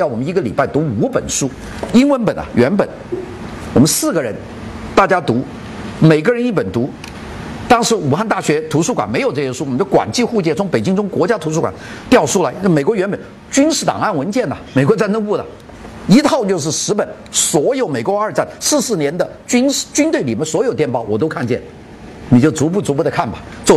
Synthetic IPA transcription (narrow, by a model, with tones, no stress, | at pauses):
jʊɔ˨mə˦ni˧˥ɡə˧li˨˩pa˥˩ɪt̪u˧˥u˧˥pə̰˨˩nʂu˥ | i˥nwə˧˥npə˨˩nɐ̰˨˩ɥɛ˧˥npə̰˨˩n | wɔ˨˩mə˦nsɹ̩˥˩ɡə˩ɻə˧˥n | t̪a˥˩t͡ɕja˥t̪u˧˥ | me˨˩ɪɡə˥˧ɻə˧˥ni˥˩pə˨˩nt̪u˧˥ | t̪ɑ˥ŋʂɻ̩˧˥u˨˩xa˥˧nt̪a˥˩ɕɥɛ˧˥t̪ʰu˧˥ʂu˥˩kwa̰˨˩nm˧˥ɪjʊʈ͡ʂɤ˥˩ɕɛ˥ʂu˥wmə˦n˩kwa̰˨˩nt͡ɕi˥˧xu˥˧t͡ɕjɛ˥˩nt͡sʰʊ˧˥ŋpe˨˩ɪt͡ɕi˥ŋt͡sʊ˥ŋkwɔ˧˥t͡ɕja˥t̪ʰu˧˥ʂ̬u˥˩kwa̰˨˩nt̪jɑ˥˩ʊʂu˥la˧˥ɪ˥˩me˨˩ɪkwɔ˧˥ɥɛ˧˥npə˨˩n | t͡ɕy˥nʂɻ̩˥˩t̪ɑ̰˨˩ŋa˥˩nwə˧˥nt͡ɕjɛ˥˩nɐ˩me˨˩ɪkwɔ˧˥t͡sa˥˧nʈ͡ʂɤ˥ŋpu˥˩lə̰˨˩ | i˧˥t̪ʰɑ˥˧ʊt͡ɕjo˥˧ʊʂ̬ɻ̩˥˩ʂɻ̩˧˥pə˨˩˦n | swɔ˧˥jo˧˥ʊme˨˩ɪkwo˥ə˞˥˧t͡sa˥˩nsɹ̩˥˧sɹ̩˥˩njɛ˧˥nd̪ə˧t͡ɕy˥nʂt͡ɕy˥nt̪we˥˩ɪli˨˩mjɛ˥˩swɔ˧˥jo˨˩ʊt̪jɛ˥˧npɑ˥˩ʊwɔ˨˩t̪o˥ʊkʰa˥˧nt͡ɕjɛ˥˩n | ni˨˩t͡ɕjo˥˩ʊt͡su˧˥p̬u˥˩t͡su˧˥pu˧˥d̪ə˨˧kʰa˥˩nbɐ˨˩ | t͡swɔ˥˩